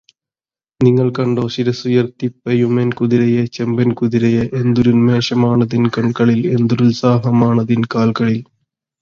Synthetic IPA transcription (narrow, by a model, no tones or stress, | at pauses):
niŋːɐɭkɐɳɖoːɕiɾɐsujɐrt̪ipːɐjumenkuðiɾɐjɐt͡ɕɐmbɐnkuðɪɾɐjɐʔend̪uɾunmeːʂɐmaːɳɐðinkɐɳkɐɭilend̪uɾulsaːɦɐmaːɳɐðinkaːlkɐɭil